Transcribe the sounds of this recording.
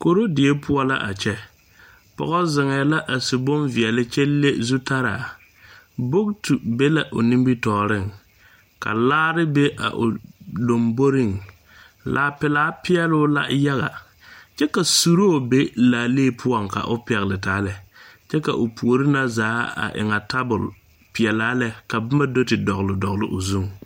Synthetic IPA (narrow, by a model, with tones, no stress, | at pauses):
ko˨ɾo˦dɪ˨e˦pʰʊ˦ɔ˦la̰˦ʔa̰˨t͡ʃɛ˦ | pɔ̰˨ɣɔ˦zɪ˨ŋɛ˨la˦ʔa˨sɪ˨bʊ˦nvɪ˨ɛ˨lɪ˦t͡ʃɛ˦lːe˦zu˦ta˦ɾa̰ː˨ | bo˦k̚tu˨be˦la˨ʔo̰˨nĩ˦mbi˦tɔː˨ɾɪ˦˨ŋ | ka̰˨laː˦ɾɪ˦be˦ʔa̰˨ʔʊ˨do˨mbo˦ɾi˦˨ŋ | lʔaː˨˦pɪ˨laː˦pɪ˦ɛ˦lʊ˦la̰˦ja˦ɣa˨ | t͡ʃɛ˦ka˨su˨ɾo˦˨be˦laː˨leː˦˨pʰʊ˦ɔ˦ŋka̰˨ʔʊ˦pɛ˨ɣlɪ˨taː˨˦lɛ˨t͡ʃɛ˦ka̰˨ʔʊ˨pu˨o˨ɾɪ˦na˦zaː˨˦a̰˨ʔɪ̰˨ŋa˨ta˦bʊ˨l | pɪ˨ɛ˨laː˦lɛ˦ka˨bɪ˦ma˦do˦tɪ˨dɔ˨ɣlɪ˨dɔ˨ɣlɪ˦ʔo˨zu˦ŋ